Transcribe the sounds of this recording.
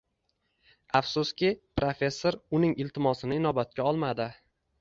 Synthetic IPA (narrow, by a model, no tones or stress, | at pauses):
afsʊskʲɪpɾofe̞sːoɾʊnɪŋɪlt̪ʰɪmɒsɪnɪɪnɒbat̪̚kʲaɒlˠmad̪ɪ